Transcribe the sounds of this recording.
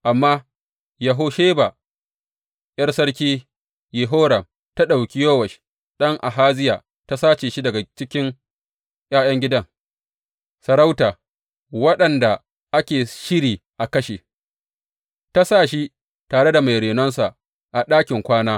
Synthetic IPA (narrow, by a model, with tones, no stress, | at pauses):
ʔa˨mːaː˦ | jɐ˨ɦoː˦ʃeː˦ba˨ | j̰ɐ˦rsɐ˦ɽkʲiː˦ | je˨ɦoː˦ɽɐ˨m | ta˦ɗa˨wkʲi˦joː˦wɐ˨ʃ | ɗɐ˦ŋʔa˨ɦaː˦zɪ˦jaː˨ | ta˦saː˦t͡ʃeː˨ʃi˦dɐ˨ɡa˨t͡ʃɪ˦kʲɪ˦ŋ | j̰aː˦j̰ɐ˦ŋɡʲɪ˦dɐ˦ŋ | sɐ˨ɾa˦wtaː˨ | wɐ˦ɗɐ˨nda˨ | ʔa˦kʲeː˨ʃɪ˦ɽiː˨ʔa˨kɐ˦ʃeː˨ | ta˦saː˦˨ʃi˦ | taː˨ɽe˦da˨ma˨jɽeː˨nɔ˦nsa˨ | ʔa˨ɗaː˦kʲɪ˨ŋkʷaː˦naː˦